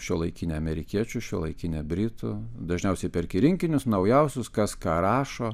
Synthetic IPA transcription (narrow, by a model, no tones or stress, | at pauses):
ʃʲuɔlˠɐɪkʲɪnʲɛɐmʲɛɾʲɪkʲiɛt͡ʃʲʊʃʲuɔlˠɐɪkʲɪnʲɛbʲɾʲɪt̪ʊd̪ɐʒʲnʲɛʊsʲɛɪpʲɛɾʲkʲɪɾʲɪŋʲkʲɪnʲʊsnɐʊjɛʊsʲʊskɐskɑːɾɑːʃoː